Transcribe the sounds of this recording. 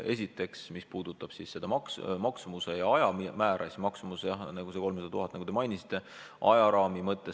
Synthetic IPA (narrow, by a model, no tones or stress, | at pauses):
e̞s̬ʲit̪ːˑe̞ksmispuːd̪̥ut̪ːˑɑb̥sisse̞d̪̥ɑmɑksmɑksumusejɑɑjɑimæːɾʔɑ̰sʲimɑksumusejɑnɑɡuse̞ko̞lmsɑd̪ɑt̪uɦɑt̪ːˑnɑɡud̪e̞mɑjnʲisi̥t̪ːˑe̞ | ʔɑ̰jɑɾɑːmimɤt̪ːˑe